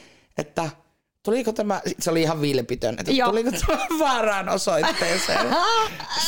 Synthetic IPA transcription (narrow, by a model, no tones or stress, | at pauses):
ʔḛt̪ːæ | t̪ulikot̪æmæsit̪seoliihɑʋʋilpit̪ø̰nḛt̪ːæulikot̪ʰæmææʋʋɑːrɑːnosoit̪ːeːsḛːn